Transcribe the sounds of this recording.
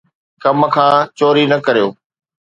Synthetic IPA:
kɐmkʰãːt͡ɕoːɾinɐkɐɾijoː

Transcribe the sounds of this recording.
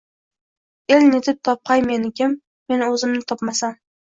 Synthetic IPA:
e̞lnet̪ʰɪp̚t̪ʰɒp̚qʰɑjme̞nɪkʲʰɪmː | e̞nɵzɪmnɪt̪ʰɒpmasan

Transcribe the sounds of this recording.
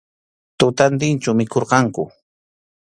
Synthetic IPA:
t̪ʊt̪ant̪̬ɪnt͡ʃʊmɪkoɾqɑŋkʊ

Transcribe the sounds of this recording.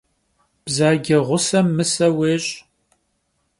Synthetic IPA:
b̥zaːɡʲɪʁʷʊsɐmːɨsɐweːɕʼ

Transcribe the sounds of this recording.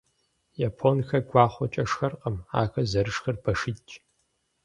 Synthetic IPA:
jaːpʰonxɐɡʷɑːχʷɔt͡ʃʼɐʂxɐrqʼɐma̰ːxɐzɐɾɨʂxɐrbʰɐʂɪt͡ʃʼ

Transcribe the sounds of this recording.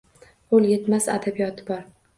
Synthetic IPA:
olˠje̞t̪masa̰d̪abijɒt̪ʰɪbɒɾ

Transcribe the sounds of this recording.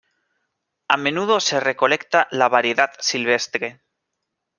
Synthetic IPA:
amẽ̞nuð̞o̞se̞re̞ko̞le̞kt̪alaβaɾjeðatsilβ̞e̞st̪ɾe̞

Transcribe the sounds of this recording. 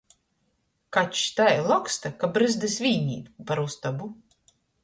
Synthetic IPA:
kat͡ʃt̪ajlˠɔkst̪akabɾɨzd̪ɨsvʲiːɲʲḭːt̪paɾust̪abu

